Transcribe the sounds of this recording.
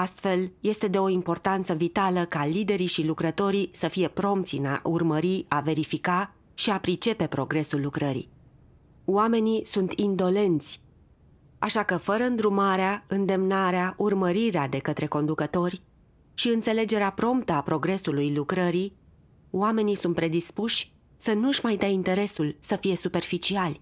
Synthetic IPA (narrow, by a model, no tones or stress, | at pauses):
ast̪fe̞lje̞st̪e̞d̪e̞o̞impo̞rt̪ant̪səvit̪aləkalid̪e̞ɾiʃilukɾət̪o̞ɾisəfije̞pɾo̞mpt̪sʲina̰ʔurməɾiave̞ɾifika | ʃiapɾit͡ʃe̞pe̞pɾo̞ɡɾe̞sulːukɾəɾḭ | wame̞nisunt̪ʰind̪o̞le̞nt̪sʲ | a̰ʃakəfəɾəɨnd̪ɾumaɾeaɨnd̪e̞mnaɾeaʔurməɾiɾead̪e̞kət̪ɾe̞ko̞nd̪ukət̪o̞rʲ | ʃiɨnt̪se̞le̞d͡ʒe̞ɾeapɾo̞mpt̪əapɾo̞ɡɾe̞sulujlukɾəɾi | wame̞nisunt̪̚pɾe̞d̪ispuʃʲ | sənuɨʃmajd̪aint̪e̞ɾe̞sulsəfije̞supe̞rfit͡ʃialʲ